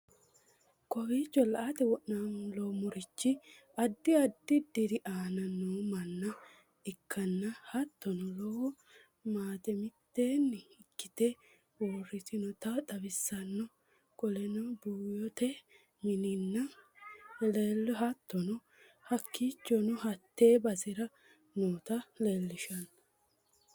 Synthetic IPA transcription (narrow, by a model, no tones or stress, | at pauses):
kɔwiːt͡ʃːɔlɐʔat̪ɛwɔʔnanlomʊɾɪt͡ʃːɪ | ɐd̪ːɪɐd̪ːɪd̪ɪɾɪʔaːnɐnːoːmɐnːɐ | ɪkʰːɐnːɐhɐt̪ːɔnɔlɔwɔ | maːt̪ɛmɪt̪ːeːnːɪɪkːɪt̪ɛ | woːrːɪt̪ɪnɔt̪ɐt̪ɐbɪsːɐnːɔ | kʼɔlɛnɔbuːjɔt̪ɛ | mɪnɪnːɐ | lelːɔɦɐt̪ːɔnɔ | hɐkːiːt͡ʃːɔnʊɦɐt̪ːeːbɐsɪɾɐ | noːt̪ɐleːlːɪʃɐnːɐ